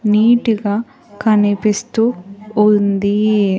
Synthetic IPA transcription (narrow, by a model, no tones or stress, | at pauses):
niːʈiɡaː | kɐnipist̪uːund̪i